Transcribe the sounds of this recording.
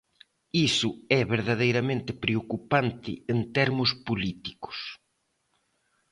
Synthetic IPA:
isʊɛβeɾðaðejɾamẽnt̪ɪpɾeokupant̪ɪ̰ent̪ɛɾmʊspolit̪i̥kʊ̥s

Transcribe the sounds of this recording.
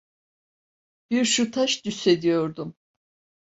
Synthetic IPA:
b̥iɾʃut̪ʰaʃd̪yse̞d̪ijo̞ɾd̪um

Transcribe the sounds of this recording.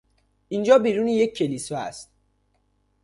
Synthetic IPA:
ʔind͡ʒɒːbiːɾuːnijecʰːelisɒæ̰st̪̚

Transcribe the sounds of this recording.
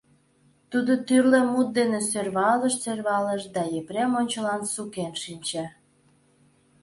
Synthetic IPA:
t̪ud̪ot̪yrlemut̪̚d̪enesørβɑləʃserβɑləʃd̪ɑjepɾemonʲt͡ɕəlɑnsukenʃinʲt͡ɕe

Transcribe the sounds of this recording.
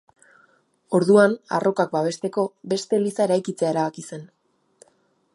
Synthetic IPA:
o̞ɾðuana̰rʔo̞kak̚baβ̞e̞st̪e̞ko̞βe̞st̪e̞lisae̞ɾajkit͡seae̞ɾaβakise̞n

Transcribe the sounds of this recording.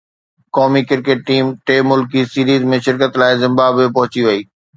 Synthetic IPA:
kɔːmikɪɾkeʈ̚ːiːmʈeːmʊlkisiːɾiːzmẽʃɪɾkət̪laːɪzɪ̃mbaːbopɐɦʊt͡ɕiʋɐiː

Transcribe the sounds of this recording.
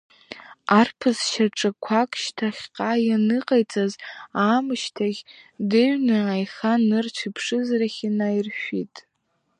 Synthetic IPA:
arpʰɨzʃaʈ͡ʂʼɨkʷʰakʼʃtʰaχʲqʼajanɨqʼajt͡sʼazaːmɨʃtʰaʁʲdɨɥnɨajχanɨrt͡ɕʷʰɪpʰʂɨzraχʲinairʃᶣitʼ

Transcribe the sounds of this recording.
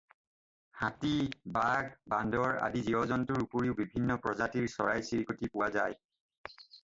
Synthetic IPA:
hatibaɡbandɔɹa̰diziɔzɔntʊɹupoɹiʊbibʱinːɔpɹɔzatiɹsɔ̰ɹajsiɹikotipʊwazaj

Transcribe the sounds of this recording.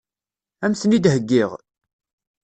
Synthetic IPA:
æmsənid̪həɡːɪʁ

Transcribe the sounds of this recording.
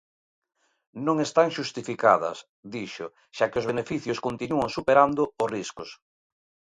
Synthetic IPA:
nõŋest̪aŋʃust̪ifika̰ðɐ̰s | d̪iʃʊ | ʃakɪʊzβenefiθjʊskont̪inuaŋsupeɾand̪ʊʊriskʊs

